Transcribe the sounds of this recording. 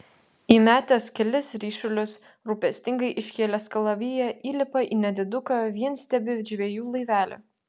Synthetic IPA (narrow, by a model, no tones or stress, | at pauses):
imʲæːt̪ʲeːskʲɛlʲɪsɾʲiːʃʊlʲʊs | ɾuːpʲɛsʲt̪ʲɪŋɡɐɪʔɪʃʲkʲeːlʲɛskɐlˠɐʋʲijɛʔiːlʲɪpɐʔiːnʲɛd̪ʲɪd̪ʊkɐʋʲiɛnsʲt̪ʲɛbʲɪʒʲʋʲeɛjuːlˠɐɪʋʲæːlʲʊ̰